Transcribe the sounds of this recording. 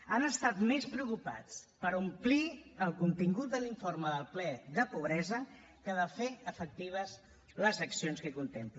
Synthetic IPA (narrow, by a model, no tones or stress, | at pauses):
anəst̪at̪mespɾəukupa̰t͡spəɾumpliəlˠkunt̪iŋɡut̪̚d̪əliɱfoɾməðəlˠplɛðəpuβ̞ɾɛzə | kəðəfeəfək̚t̪iβ̞əs | ləzəksionskəkunt̪emplu